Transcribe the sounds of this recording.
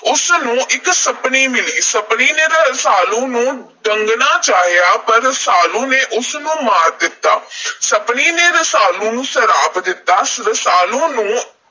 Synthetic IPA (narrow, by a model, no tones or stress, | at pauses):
ʊsnũːʔɪksəpniːmɪliːsəpniːneːɾəsaːlõːnũː | ɖəŋɡnaːt͡ʃaːɦijaːpəɾəsaːlõːneːʔʊsnũːmaːɾd̪ɪt̪ːaːsəpniːneːɾəsaːlõːnũːsəɾaːpd̪ɪt̪ːaːsɾəsaːlõːnũː